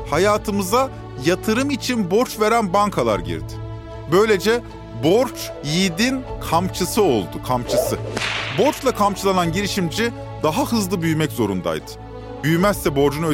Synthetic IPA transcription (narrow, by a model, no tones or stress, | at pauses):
hajaːt̪ʰɯmɯza | jat̪ʰɯɾɯmit͡ʃʰinbo̞ɾt͡ʃve̞ɾænbaŋkʰalˠa̰ɾɟḭɾd̪ɪ̥ | bø̞jlʲe̞d͡ʒɛ | bo̞ɾt͡ʃ | jiːd̪inkʰamt͡ʃʰɯsɯo̞lˠd̪ukʰamt͡ʃʰɯsɯbo̞ɾt͡ʃlˠakʰamt͡ʃʰɯlˠananɟiɾiʃimd͡ʒi | d̪aɦahɯzlˠɯbyjmɛczo̞ɾṵnd̪a̰jd̪̥ɯ̥ | byjmæsːɛbo̞ɾd͡ʒunø